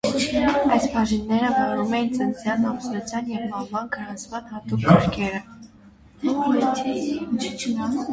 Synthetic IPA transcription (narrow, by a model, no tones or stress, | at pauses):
ɑjsbʰɑʒinːɛɾəvɑɾumɛjint͡sənt͡sjɑnɑpslɔt͡sʰjɑnjɛvmɑvɑnɡəɾɑnt͡sʰmɑnhɑt̪ukɡəɾkʰɛɾə